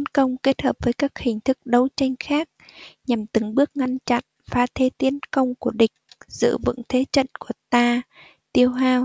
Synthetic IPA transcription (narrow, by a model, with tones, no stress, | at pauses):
t̪nkə˧wŋ͡mke˦˥t̚həː˨˩p̚vəː˨˦jkaː˦˥k̚hï˨˩ŋ̟t̪ʰɨ˦˥k̚ɗə˨˦wt͡ɕa˧jŋ̟xaː˦˥k̚ɲa˨˩mt̪ɨ˨˦ŋɓɨ˦˥ək̚ŋa˧nt͡ɕa̰˧˨n | faː˧t̪ʰe˨˦t̪i˨˦ənkə˧wŋ͡mku˧˩əɗï˨˩k̟̚z̥ɨ̰˧˨vɨ̰˧˥ŋt̪ʰe˨˦t͡ɕə̰˧˨nku˧˩ət̪aː˧ | t̪i˧əwɦaː˧w